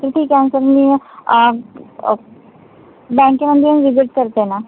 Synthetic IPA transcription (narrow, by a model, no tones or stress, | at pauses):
kɾɪt̪ʰikɛ̃ːnsəɾmi | bɛ̃ŋkemənd̪ʱimʋɪzɪʈ̚kəɾt̪ena